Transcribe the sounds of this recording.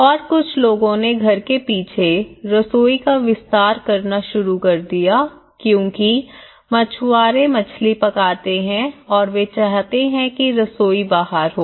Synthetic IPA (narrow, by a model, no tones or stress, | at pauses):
ɔːɾkʊt͡ʃʰloːɡõneɡʱɐɾkepiːt͡ʃʰeɾɐsoːikaʋɪst̪aːɾkɐɾnaʃʊɾukɐɾd̪ija | kjõːki | mɐt͡ʃʰuaːɾẽmɐt͡ʃʰlipɐkaːt̪eɦɛ̃ɔːɾʋet͡ʃaɦt̪eɦɛ̃kiɾɐsoːibaːɦəɾɦoː